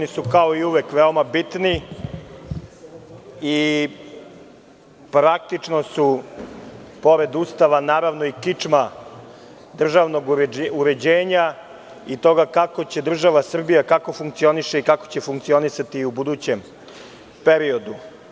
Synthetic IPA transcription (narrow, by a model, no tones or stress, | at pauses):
onisukao̞iuʋekʋeomabit̪ni | i | pɾak̚t̪it͡ʃno̞su | po̞ɾe̞d̪ust̪aʋanaːɾaʋnoikit͡ʂma | d̪r̩ʒaʋno̞ɡɾuɾe̞d͡ʑeːɲa | it̪o̞ɡakako̞t͡ɕe̞d̪r̩ʒaʋasr̩bijakako̞fuŋk̚t̪sio̞niʃeikako̞̥t͡ɕe̞fuŋkt̪sio̞nisat̪iubud̪ut͡ɕem | peɾio̞d̪u